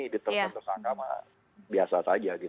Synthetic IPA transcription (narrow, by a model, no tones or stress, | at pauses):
idit̪əət̪ərsaŋkama̰ | biasasad͡ʒaɡi